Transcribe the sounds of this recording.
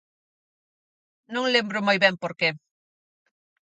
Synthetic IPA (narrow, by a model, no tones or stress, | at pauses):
nõŋlembɾʊmojβɛmpoɾke